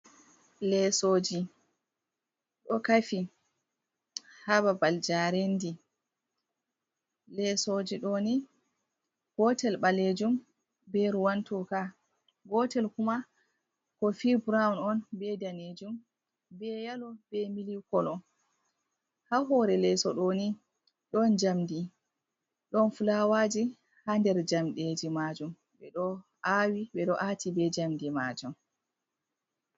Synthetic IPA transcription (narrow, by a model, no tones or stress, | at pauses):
lɛsod͡ʒi | ɗɔkafi | hababald͡ʒaɾendi | lɛsod͡ʒiɗoni | ɡ̥ɔtɛlɓaled͡ʒum | bɛɾuwantɔka | ɡɔtɛlkuma | kɔfibɾaunɔnbɛdaned͡ʒum | bɛjalɔb̥ɛmilikɔlɔ | haɦɔɾɛlɛsɔɗoni | ɗɔnd͡ʒamdi | ɗɔnfulawaːd͡ʒi | handɛɾd͡ʒamɗed͡ʒimad͡ʒum | ɓɛɗɔ | awiɓɛɗɔʔatibɛd͡ʒamdima̰d͡ʒum